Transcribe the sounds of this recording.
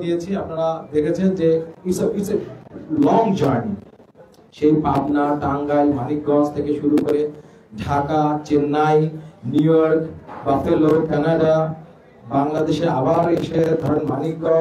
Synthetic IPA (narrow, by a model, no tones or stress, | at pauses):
d̪ijet͡ɕʰiap̚naɽad̪ekʰet͡ɕʰend͡ʑeisɔbiʈselɔŋd͡ʑaɾnḭ | ʃejpabnaʈaŋɡajmanik̚ɡɔ̃st̪ʰekeʃuɾukoɾe | ɖʱakat͡ɕenːajnjujɔɾkbat̪elokɛnaɖa | baŋlad̪eʃea̰baɾeʃed̪ʱɔɾonmanik̚ɡɔ